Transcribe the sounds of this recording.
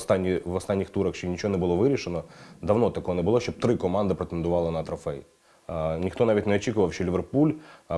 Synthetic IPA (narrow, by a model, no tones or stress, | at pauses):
st̪ɑnʲːiʋɔst̪ɑnʲːixt̪uɾɐxʃt͡ʃɔnʲit͡ʃɔɦɔnɛbʊlˠɔʋɪɾʲiʃenɔd̪ɐʋnɔt̪ɐkɔɦɔnɛbʊlˠɔʃʲt͡ʃɔb̚t̪ɾɪkɔmɑnd̪ɪpɾet̪end̪ʊʋɑlˠɐnɐt̪ɾɔfɛj | nʲixt̪ɔnɑaʋʲitʲneɔt͡ʃʲikʊʋɐwʃʲt͡ʃɔlʲiʋʲerpulʲ